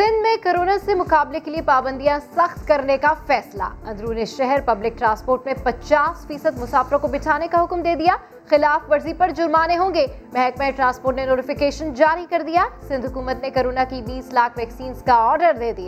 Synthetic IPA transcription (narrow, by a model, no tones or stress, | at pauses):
sɪ̃nd̪mẽkɐɾoːnasemʊqaːblekeliepaːbə̃nd̪ijãsɐxt̪kɐɾnekafɛːsla̰ɐ̃nd̪ɾuːneʃɛɦɛɾpɐblɪk̚ʈɾãːnspoːɾʈmẽpɐt͡ʃaːsfiːsəd̪mʊsaːfɪɾõkobɪʈʰaːnekaɦʊkmd̪eːd̪ijaː | xɪlaːfʋɐɾzipɐɾd͡ʒʊɾmaːneɦõːɡe | mɛɦɛkmẽʈɾãːnspoːɾʈnenoːɾʈɪfɪkeːʃənd͡ʒaːɾikɐɾd̪ijaːsɪ̃nd̪ʱɦʊkuːmət̪nekɐɾoːnakibiːslaːkʰʋɛːksiːnzkaɔːɾɖəɾd̪eːd̪ijaː